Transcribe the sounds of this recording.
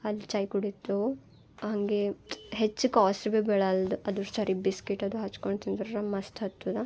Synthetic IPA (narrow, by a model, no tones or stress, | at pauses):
ɐlːit͡ʃɐjkuɽit̪ːu | ɦɐŋɡeɦet͡ʃːukaːsɾbebɛːɭɐld̪uʔɐd̪uɾsaːɾibiskeʈːɐd̪uɦɐt͡ʃkoɳɖt̪ind̪ɐɾɾɐmɐst̪ʰɐt̪ːud̪ɐ